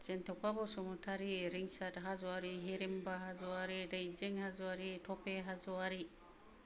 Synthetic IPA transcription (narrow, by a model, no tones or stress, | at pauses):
d͡ʒentekʷabosomutʰaɾiɾiŋsadɦazuaɾiɦiɾimbaɦazuaɾidajzeŋhazuaɾitʰopeɦazuaɾi